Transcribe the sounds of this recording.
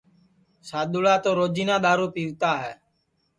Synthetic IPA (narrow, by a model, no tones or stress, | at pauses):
saːɗ̪uɭaːt̪oːɾoːd͡ʒiːnãːɗ̪aːɾuːpiːʋt̪aːɦɛ̰ː